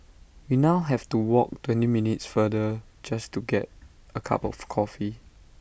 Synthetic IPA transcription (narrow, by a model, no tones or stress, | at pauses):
winaʊɦɛvtuwɔk̚twɛ̃ntiminitsfədəd͡ʒastuɡɛt̚əkʰa̰pɔ̰fkʰɔfi